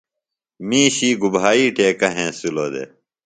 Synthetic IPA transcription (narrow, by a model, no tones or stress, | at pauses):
mĩːɕiːɡubʱaːiːʈeːkɐɦẽːsiloːd̪ḛː